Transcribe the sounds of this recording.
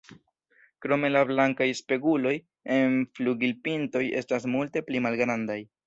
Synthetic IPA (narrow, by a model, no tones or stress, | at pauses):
kɾo̞me̞lablaŋkajspe̞ɡulo̞j | enfluɡilpinto̞je̞̰stas̬multe̞plimalɡɾandaj